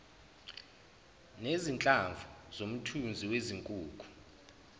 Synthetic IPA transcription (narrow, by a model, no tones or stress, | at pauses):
nezint͡ɬʼaɱvʱuzom̩tʰund͡zʱiweziŋkʼuːkʰʼu̥